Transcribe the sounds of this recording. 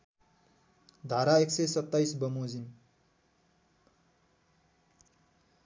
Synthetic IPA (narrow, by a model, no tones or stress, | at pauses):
d̪ʱaɾaeksʌjsʌt̪ːajsbʌmod͡zin